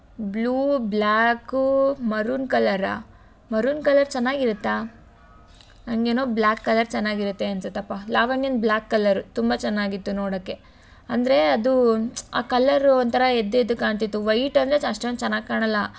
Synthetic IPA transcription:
bluːblaːkumɐɾunkɐlɐɾa̰ | mɐɾunkɐlɐɾt͡ʃɛnːaːɡiɾut̪ːa | nɐŋɡeːnoːblaːkːɐlɐɾt͡ʃɛnːaːɡiɾut̪ːeɐnsɐt̪eɐpːaːlaːʋɐɳjɐnd̪̚blaːkːɐlɐɾut̪umbɐt͡ʃɛnːaːɡit̪ːunoːɽoːkːe̞ | ɐnd̪ɐɾe̞ɐd̪ua̰ːkɐlɐɾnt̪ʰɐɾɐed̪ːed̪ukːaːɳt̪it̪ːuʋɐjʈɐnd̪ɾeɐʂʈɐʋɐnt͡ʃɐnːaːɡ̚kaːɳɐlːɐ

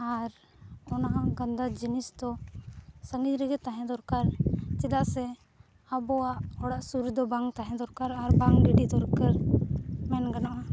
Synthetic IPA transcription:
aɾ | ɔnaɦãɡənd̪ad͡ʒinisd̪ɔ | səŋɡiɾiɡɛt̪aɦɛ̃d̪ɔɾkaɾt͡ʃɛd̪aʔsɛ | abɔaʔɔɽaʔsuɾd̪ɔbaŋt̪aɦɛ̃d̪ɔɾkaɾaɾbaŋɖiɖid̪ɔɾkəɾmɛnɡanaʔa

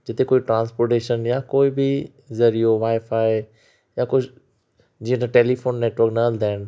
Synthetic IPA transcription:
d͡ʑɪt̪ekoːiʈɾãːnspoːɾʈeːʃənjakoːɪbɪ | zɐɾijoʋaːɪfaːeɪ | jãkʊ | d͡ʑiːə̃d̪əʈeːlifoːnːeːʈʋəɾknɐəld̪ʱaːɪñ̆

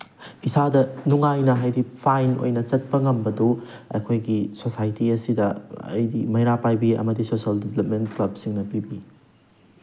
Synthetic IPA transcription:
isadɐnuŋajnɐɦajdipʰajno̰jnɐt͡ʃɐt̚pɐŋɐmbɐdu | ɐ̰jkʰojɡisosajtiɐsidɐɐ̰jdimɐjɾapajbiɐ̰mɐdisosiɐldeblɐp̚mentklɐb̚siŋnɐpibi

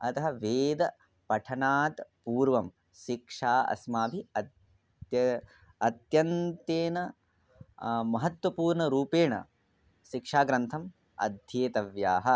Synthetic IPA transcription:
ɐt̪ɐɦɐʋeːd̪ɐ | pɐʈʰɐnaːt̪puːɾʋɐm | ʃikʂaːɐ̰smaːbʱiɐ | ɐt̪jɐnt̪eːnɐ | mɐɦɐt̪wʋɐpuːɾɳɐɾuːpeːɳɐ̰ | ʃikʂaːɡɾɐnt̪ʰɐm | ɐ̰d̪ʱjeːt̪ɐʋjaːɦɐ

